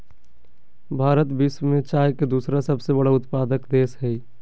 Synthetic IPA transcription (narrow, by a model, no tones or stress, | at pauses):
bʱaːɾət̪bismẽt͡ʃaːjked̪uːsɾasɐbsebəɽaʊt̪paːd̪əkd̪eːsɦɛi